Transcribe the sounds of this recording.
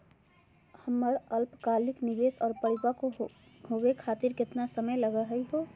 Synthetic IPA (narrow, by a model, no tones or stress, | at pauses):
həmːəɾəlpkaːlɪknibeːsɔːɾpəɽipako | ɦowekʰaːt̪iɾkɪt̪nasəməjləɡəɦəiɦo